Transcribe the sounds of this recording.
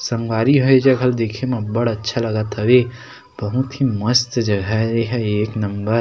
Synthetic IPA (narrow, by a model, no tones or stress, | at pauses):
sɐŋɡwaːɾiɦoed͡ʒɐɡʱəld̪eːkʰemẽbɐɽətːʃʰalɐɡat̪əʋe | b̥əɦũt̪imɐst̪d͡ʒɐɡʱaɾeɦɛeːknɐmbəɾ